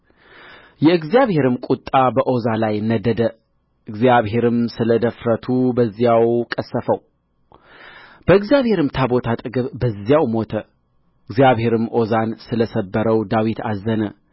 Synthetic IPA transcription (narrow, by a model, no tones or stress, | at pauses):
jɛɨɡzijaβhe̞ɾɨmkʼut̪ʼːabəʔo̞zalajnːəd̪əd̪ə | ʔɨɡzjaβhe̞ɾɨmsɨləd̪əfɾət̪ʰubəzːijawkʼəsːəfəw | b̥əɨɡzijaβhe̞ɾɨmt̪ʰabo̞t̪ʰat̪ʼɨɡɨβbəzːjawmo̞t̪ʰə | ɨɡzijaβhe̞ɾɨmʔo̞zansɨləsəbːəɾəwd̪awit̪ʰazːənə